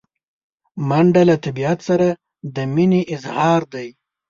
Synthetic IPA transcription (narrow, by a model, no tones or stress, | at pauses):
maɳɖalat̪abiat̪saɾa | d̪əmineʔɪzhɑɾd̪aj